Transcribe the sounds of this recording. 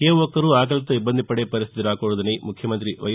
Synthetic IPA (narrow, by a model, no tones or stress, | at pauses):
keːʋɔkːɐɾuaːk̬ɐlɐt̪ɐibːɐnd̪ʱipɐɽepɐɾist̪ʰit̪iɾaːkoɭud̪ɐnemukʰjɐmɐnt̪ɾiʋɐ̰j